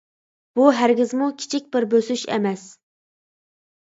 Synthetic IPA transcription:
b̥uɦæɾɡʲɪzmukʲʰi̥t͡ʃʰik̚ʲbɪɾbøsyʃḛmɛs

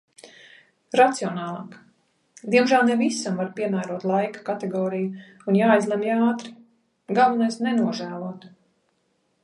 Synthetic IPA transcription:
ɾat̪siɔnɑːlˠɑːk | d̪iɛmʒæːlˠnɛvisamvaɾpiɛmæːɾuɔt̪lˠajkḁkat̪eɡɔːɾiju | unjaːjzlˠɛmjaːt̪ɾi̥ | ɡalˠvunajsnɛnuɔʒæːlˠuɔt̪

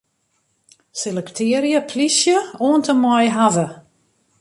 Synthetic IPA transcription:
selɛktʰɪəɾjəpʰlisjəoəntəmɔjɦavə

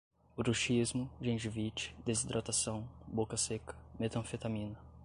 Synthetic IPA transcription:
ʊɾuʃizmʊd͡ʒẽʒivit͡ʃɪ̥d̪ezid̪ɾot̪asɐ̃w̃bokɐsekɐ̥met̪ɐ̃fet̪amĩnɐ

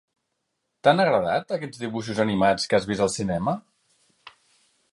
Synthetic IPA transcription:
t̪anəɣɾəða̰t̪əkɛd͡zðiβ̞uʃ̬uzənimat͡skazβizəlˠsinɛmə

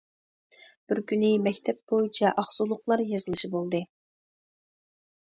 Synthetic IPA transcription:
b̥ɪɾkʲynɪmɛkʲt̪ʰɛp̚b̥ojit͡ʃʰɑʔɑχsulˠʊqlˠɑɾjeʁəlˠɨʃibolˠd̪ɨ

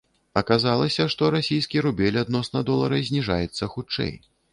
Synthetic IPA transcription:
ɐkazalˠɐsʲɐʂt̪ɔɾasʲijskʲiɾubʲɛlʲad̪nɔsnɐd̪ɔlˠɐɾɐzʲnʲiʐa̰jɛt̪sːɐxut͡ʂɛ̰j

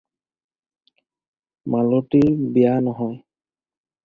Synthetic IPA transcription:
maloʈibijanɔɦɔj

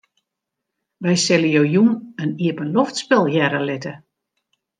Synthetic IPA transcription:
ʋɛjsɪləjoːjunəniəpənloftspɪlˠjɛɾəlɪtə

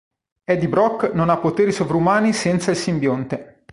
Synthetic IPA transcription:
ɛd̪ibɾɔkːnonapːot̪eːɾisovɾumaːnisɛnt̪sailsimbjont̪e

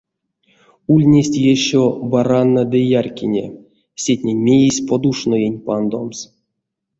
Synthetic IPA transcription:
ulʲnʲesʲtʲjeɕobaranːad̪ɨjarkʲinʲḛ | sʲetʲnʲenʲmʲejisʲpod̪uʂnojenʲpand̪oms

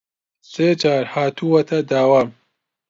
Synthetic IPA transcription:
seːt͡ʃaːɾhaːt̪ʰuwɐt̪ʰɐd̪aːwaːm

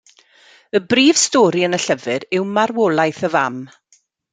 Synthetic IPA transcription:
əbriːv̥stɔːɾiənəɬəvɨɾɪwmarwɔlˠajθəvam

